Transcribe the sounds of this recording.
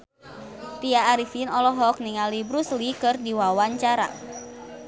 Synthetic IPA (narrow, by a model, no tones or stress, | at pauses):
t̪iaːɾisinɔlɔɦɔk̚niŋalibɾuslikɨrdiwawaɲt͡ʃaɾa̰